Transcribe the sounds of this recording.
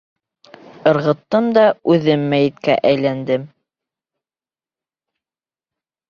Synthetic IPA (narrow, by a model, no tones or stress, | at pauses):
ɤ̆ɾʁɤ̆t̪ːɤmd̪ɑʉðɘmːæjɘ̆t̪kæʔæjlænd̪ɘm